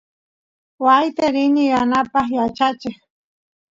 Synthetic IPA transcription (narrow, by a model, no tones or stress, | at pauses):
wajt̪eɾɪnɪjanapɑχjat͡ʃat͡ʃɪχ